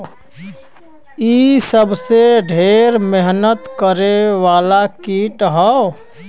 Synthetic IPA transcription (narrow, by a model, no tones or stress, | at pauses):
isəbseɖʱeːɾmeɦnət̪kəɾeʋaːlakiːʈɦə